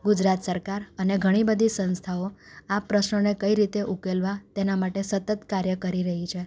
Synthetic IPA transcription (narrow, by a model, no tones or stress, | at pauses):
ɡud͡ʒɾat̪səɾkaɾəneɡʱəɽ̃ibəd̪ʱisə̃nst̪ʰaoapɾəʃnonekəiɾit̪eʔukelʋat̪enamaʈesət̪ət̪kaɾjəkəɾiɾəɦit͡ʃʰe